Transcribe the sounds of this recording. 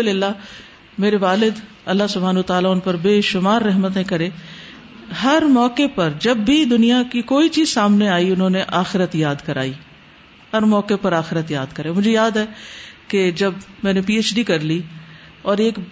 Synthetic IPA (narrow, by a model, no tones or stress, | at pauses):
lɪlːa | meːɾeʋaːlɪd̪ | ɐlːaɦsʊbʱaːnuːt̪aːlaʊnpɐɾbeːʃʊmaːɾːɛɦmət̪̬ẽkɐɾẽː | ɦɐɾmɔːkepɐɾd͡ʒɐbːid̪ʊnijakikoːit͡ʃiːzsaːmneaːiʊnɦõneʔaːxɪɾət̪jaːd̪kɐɾa̰ːiː | hɐɾmɔːkepɐɾaːxɪɾət̪jaːd̪kɐɾemʊd͡ʒʱejaːd̪ɦɛked͡ʒɐbmɛ̃ːnepiːet͡ʃɖikɐɾli | ɔːɾeːk